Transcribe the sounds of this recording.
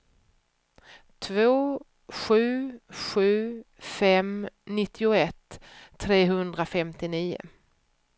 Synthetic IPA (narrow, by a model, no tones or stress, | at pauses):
t̪ʰvoː | ɧʉ̟ːɧʉ̟ː | fɛmnɪt̪ʰːɪʊɛt̪ʰːɾeːɦɵnd̪ɾafɛmt̪ɪniːʊ̰